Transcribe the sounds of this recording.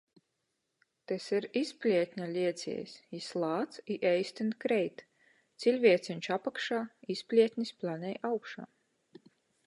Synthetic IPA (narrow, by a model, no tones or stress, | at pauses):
t̪ɛsiɾispʲlʲiɛt̪ʲnʲalʲiɛt̪sʲḭɛjsʲislˠaːt̪siʔɛjsʲt̪ʲint̪kɾɛjt̪ | t̪silʲvʲiɛt̪sʲinʲt͡ʃapakʃaːispʲlʲiɛt̪ʲnʲisplˠanʲɛjawkʃa̰ː